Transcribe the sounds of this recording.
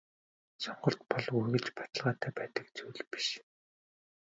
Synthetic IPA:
sɔɴɢɞ̆ɬt̪̚pɔɮuɣɘ̆ɮt͡ɕpḁt̪ə̆ɮʁaːt̪æːpæːt̪ə̆k̚t͡suːɮpi̥ʃ

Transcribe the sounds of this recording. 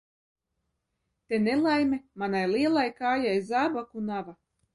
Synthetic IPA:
t̪enelˠajmʲemanajlˠiɛlˠajkaːjajzabakunava

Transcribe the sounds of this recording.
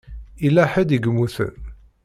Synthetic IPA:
ilːæħəd̪iɡəmuθə̰n

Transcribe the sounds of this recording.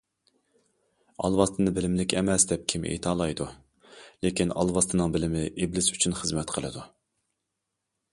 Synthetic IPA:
ɑ̰lˠwɑst̪ʰɨnɨbɪlɪmlɪkʲɛmɛsd̪ɛp̚kʲʰimʔḛjt̪ʰɑːlˠɑjd̪u | lekʲinɑ̰lˠwɑst̪ʰɨnɨŋbɪlɪmɪʔeblɪsy̥t͡ʃʰynχəzmɛt̪qʰəlˠɨ̰d̪u

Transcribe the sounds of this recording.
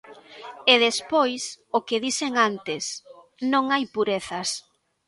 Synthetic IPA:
eðespojsokɪðiseŋant̪ɪs | nõŋajpuɾeθɐs

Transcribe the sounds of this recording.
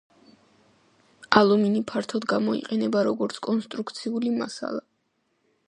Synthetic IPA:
alˠuminipʰaɾt̪ʰɔd̪ɡamɔḭqʼɛnɛbaɾɔɡɔɾt̪sʰkʼɔnst̪ʼɾukt̪sʰiulima̰sa̰lˠa

